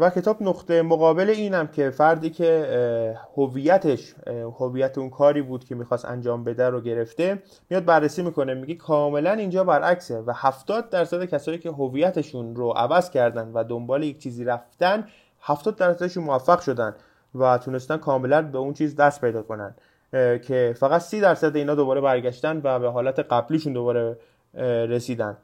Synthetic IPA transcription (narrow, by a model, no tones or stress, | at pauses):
væcʰe̞t̪ʰɒːbnoχt̪emoɣɒːbe̞leiːnæmcʰe̞fæɾd̪iːcʰe | hoviːjæt̪ʰeʃhoviːjæt̪ʰeunkʰɒːɾiːbuːd̪kʰe̞miːxɒːst̪æ̰nd͡ʒɒːmbe̞d̪æɾoɟe̞ɾe̞ft̪e̞ | mijɒːd̪̚bærːesiːmiːko̞nemiɡekʰɒːme̞lænind͡ʒɒːbæɾʔæksevæhæft̪ɒːd̪̚ːæɾsæd̪ecʰæsɒːjiːcʰe̞ɦoviːjæt̪ʰe̞ʃunɾoʔævæzcʰæɾd̪ænd̪væd̪o̞mbɒːlejec̚t͡ʃʰiːziːɾæft̪ænd̪ | hæft̪ɒːd̪̚ːæɾsæd̪eʃunmovæfːæɣ̥ʃo̞d̪ænd̪ | væt̪ʰunest̪ænkʰɒːme̞lænbeunt͡ʃʰiːzd̪æst̪̚pʰe̞jd̪ɒːkʰo̞næ̰nd̪̥ | cʰe̞fæɣæt̪siːd̪æɾsæd̪eiːnɒːd̪obɒːɾe̞bæɾɡæʃt̪ænd̪væbeɦɒːlæt̪ʰeɢæbliːʃund̪o̞βɒːɾe | ɾe̞siːd̪ænd̪